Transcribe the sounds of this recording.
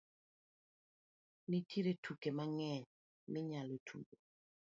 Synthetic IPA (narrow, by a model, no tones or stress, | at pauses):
nitʰiɾetukemaŋɛɲ | mɪɲalotʰṵɡo